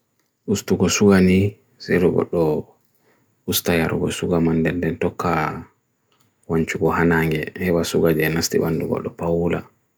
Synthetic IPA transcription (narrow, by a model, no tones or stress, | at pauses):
ʔustuɡɔsuɡani | sɛɾɔɡɔ̰ɗːɔ | ustajaɾɔɡɔ̰suɡamandɛndɛntɔkːa | waɲt͡ʃuɡɔhanaŋɡɛhɛbasuɡad͡ʒɛnastḭɓanduɡɔ̰ɗːɔpawula